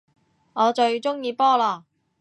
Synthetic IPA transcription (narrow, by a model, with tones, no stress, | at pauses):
ŋɔː˨˧t͡ʃɵ˧ɥt͡ʃʊ˥ŋjiː˧pɔː˥laː˧˩